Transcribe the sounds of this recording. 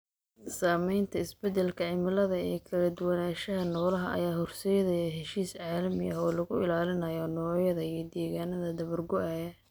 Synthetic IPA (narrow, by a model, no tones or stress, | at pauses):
saːmɛjnt̪ʰɐɪsbɛd̪ɛlkʰɐʕɪmɐlɐðɐɛ̰ːkʰɐlɐd̪ʊwɐnaːʃɐɦɐnɔːlɐɦɐʔɐ̰jaːhʊrsɛjɐðɐjɛɦɛʃiːsʕaːlɐmɪʔɐ̰ɦɔːlɐɣʊɪlaːlɪnɐjɔnɔːjɐðɐijɞd̪ɛːɣaːnɐðɐd̪ɐβɐrɡʊʔɛjɐ